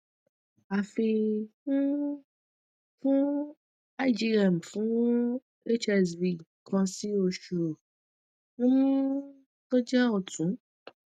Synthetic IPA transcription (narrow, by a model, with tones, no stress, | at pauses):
a˨fi˧nũ˦ | fũ˦ | a˦i˦d͡ʒi˧ɾa˨m̩˨fũ˨˦ | e˦t͡ʃɛ˧sbi˨ | kã˧si˦o˦˨ʃu˨ɾo˨ | nũ˦ | to˦d͡ʒɛ˦ɔ˨tũ˨˦